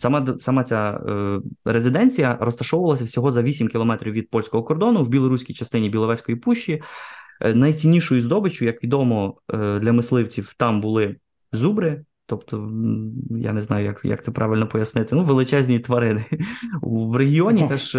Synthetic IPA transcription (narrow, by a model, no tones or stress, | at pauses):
sɐmasɐmat͡sʲa | ɾezʲɪd̪ɛnʲt͡sʲijɐɾɔst̪ɐʃɔwʊʋɐlˠɐsʲɐwsʲɔɦɔzɐʋʲisʲimkʲilˠɔmɛt̪ɾʲiwʋʲid̪̚pɔlʲsʲkɔɦɔkɔrd̪ɔnʊwbʲilˠɔɾusʲkʲijt͡ʃɐst̪ɪnʲibʲilˠɔʋɛsʲkɔjipuʃt͡ʃːi | nɐjt͡sʲinʲːiʃʊjʊzd̪ɔbɪt͡ʃʊjɐkʋʲid̪ɔmɔd̪lʲɐmɪslˠɪwt͡sʲiwt̪ɑmbʊlˠɪ | zubɾɪ | t̪ɔpt̪ɔ | ja̰neznɑjʊjɐ̰kjɐ̰k̚t̪ɛpɾʔɑʋʲɪlʲnɔpɔjɐsnɪt̪ɪnuʋelˠɪt͡ʃɛzʲnʲit̪ʋɐɾɪnɪuʋɾeɦʲiɔnʲit̪ɛʃ